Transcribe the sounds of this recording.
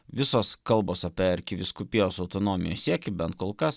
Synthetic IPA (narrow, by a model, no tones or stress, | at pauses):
ʋʲɪsoːskɐlˠboːsɐpʲɛɐɾʲkʲɪʋʲɪskʊpʲijoːsɐʊt̪oːnoːmʲɪjo̰ːsʲiɛkʲɪbʲɛnt̪koːlˠkɐs